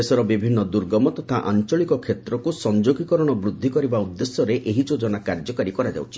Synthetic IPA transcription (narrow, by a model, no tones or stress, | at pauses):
esɔɾɔbibʱinːɔd̪uɾɡɔmɔt̪ɔt̪ʰaʔa̰nt͡ʃɔɭikɔkʰet̪ɾɔkusɔnd͡ʒoɡikɔɾɔɽ̃ɔbɾud̪ʱːikɔɾibaud̪ːesjɔɾeʔeɦid͡ʒod͡ʒɔnakaɾd͡ʒɔkaɾikɔɾad͡ʒa̰wt͡ʃʰi